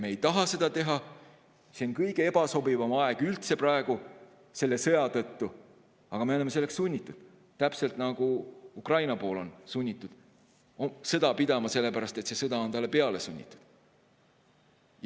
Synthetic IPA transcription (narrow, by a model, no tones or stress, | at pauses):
mejt̪ɑɦɑse̞d̪̥ɑt̪e̞ɦɑ | se̞onkɤjɡ̥e̞eb̥ɑso̞bivɑmɑeɡ̥ylt̪se̞prɑe̞ɡ̥u | se̞lːe̞sɤ̞jɑt̪ɤt̪ːu | ɑɡ̥ɑme̞oeme̞se̞lːe̞kssunʲːit̪ːˑud̪̥ | t̪æpse̞lt̪ˑnɑɡ̥uukrɑjnɑpo̞ːlo̞̰nsunʲːit̪ːˑud̪̥ | osɤ̞d̪ɑpid̪̥ɑmɑse̞lːe̞pæɾɑst̪e̞t̪se̞sɤd̪ɑo̞nt̪ɑlːepe̞ɑle̞sunʲːḭt̪ːˑu̥d̪̥